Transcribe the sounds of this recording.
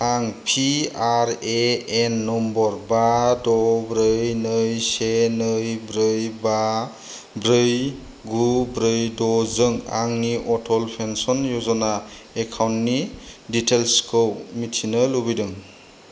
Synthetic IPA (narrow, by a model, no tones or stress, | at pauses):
aŋpʰiaɾeenːɔmbɔɾbadɔbɾɯjnɯjsenɯjbɾɯjba | bɾɯj | ɡubɾɯjdɔzɯŋa̰ŋniʔɔtʰɔlpʰensɔnjɔzɔnaekʰawntniditʰelskowmitʰinɯlubidɯm